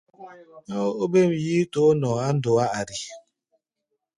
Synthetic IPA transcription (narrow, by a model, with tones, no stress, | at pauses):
o˦be˦m̩˨ji˦to˦nɔ˨a˦n̩˦do˨a˦a˨ɾi˨